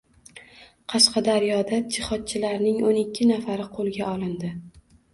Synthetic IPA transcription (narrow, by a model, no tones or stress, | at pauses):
qʰɑʃqɑd̪aɾjɒd̪ad͡ʒɪχɒt̪̚t͡ʃʰɪlaɾnɪŋonɪkʲʰːɪnafaɾɪqʰolˠɡʲaʔɒlˠɪnd̪ɪ